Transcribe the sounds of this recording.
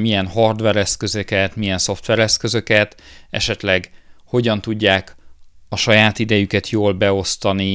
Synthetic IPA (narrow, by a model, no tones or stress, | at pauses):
mijɛnɦɒrd̪ʋɛɾɛskø̞zøkɛt̪mijɛnso̞ft̪ʋɛɾɛskø̞zø̞kɛt̪ɛ̰ʃɛt̪lɛɡho̞ɟɒn̪t̪uɟːaːkɒʃɒjaːt̪id̪ɛjykɛt̪joːlbɛo̞st̪ɒni